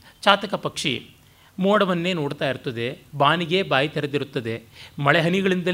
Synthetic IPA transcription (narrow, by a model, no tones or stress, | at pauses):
t͡ʃaːt̪ɐkɐpɐkʂḭ | moːɽɐʋɐnːe̞ːnoːɽt̪aːjiɾut̪ːɐd̪e̞baːniɡe̞ːbaːjit̪ɛɾɐd̪iɾut̪ːɐd̪e̞mɐɭɛɦɐniɡɐɭind̪ɐ